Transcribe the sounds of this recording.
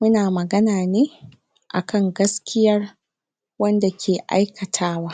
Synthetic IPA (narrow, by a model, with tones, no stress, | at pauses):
mʊ˦naː˨mɐ˨ɡɐ˦naː˨neː˦ | ʔa˨kʰɐ˦ŋɡɐ˦skʲɪ˦jɐ˦r | wɐ˦nda˨kʲʰeː˨ʔa̰˦jkʰɐ˨tʰaː˦waː˦